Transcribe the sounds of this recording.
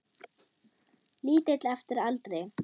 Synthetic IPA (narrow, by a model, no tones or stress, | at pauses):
liːt̪ɪt̪lɛft̪ɪɾalt̪ɾej